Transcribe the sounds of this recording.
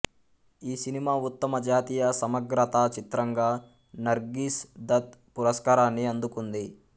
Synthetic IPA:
iːsinimaːut̪ːɐmɐd͡ʒaːt̪iːjɐsɐmɐɡɾɐt̪at͡ʃit̪ɾɐŋɡaː | nɐɾɡiːsd̪ɐt̪̚puɾɐskaːɾaːnːiɐnd̪ukund̪i

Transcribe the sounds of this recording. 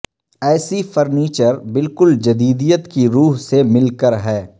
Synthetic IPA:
ɛːsifɐɾniːt͡ʃəɾbɪlkʊld͡ʒɐd̪iːd̪ijət̪kiɾuːɦsemɪlkəɾɦɛː

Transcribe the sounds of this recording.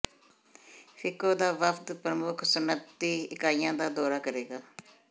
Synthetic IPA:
fʰɪkoːd̪aːʋəpʰt̪pɾəmʊkʰsʊnət̪ːiːɪkaːijãːd̪aːd̪ɔːɾaːkəɾeːɡaː

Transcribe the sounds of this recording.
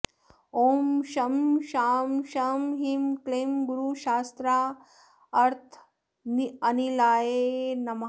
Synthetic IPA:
oːmʃɐmʃaːmʃaːmɦimkleːmɡuɾuʃaːst̪ɾaː | ɐɾt̪ʰ | niɐnilaːjenɐm

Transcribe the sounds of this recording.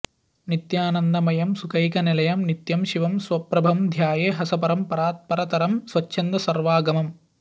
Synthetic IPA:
nit̪jaːnɐnd̪ɐmɐjɐmsukɐjkɐnelɐjɐmnit̪jɐmʃiʋɐmsʋɐpɾɐbʱɐmd̪ʱjaːjeːɦɐsɐpɐɾɐmpɐɾaːt̪̚pɐɾɐt̪ɐɾɐmsʋɐt͡ʃːʃʰɐnd̪ɐsɐɾʋaːɡɐmɐm

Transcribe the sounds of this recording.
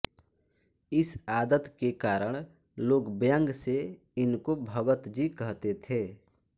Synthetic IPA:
ɪsaːd̪ət̪kekaːɾəɽ̃ | loːɡbjə̃ŋɡse | ɪnkobʱəɡət̪d͡ʒikəɦt̪et̪ʰeː

